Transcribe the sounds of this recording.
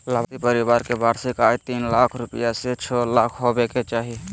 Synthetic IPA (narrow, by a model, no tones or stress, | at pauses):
labt̪ipəɾibaːɾkebaɾsekaːit̪inlakʰɾʊpɪjaset͡ʃʰɔlakʰɦobeket͡ʃaːɦi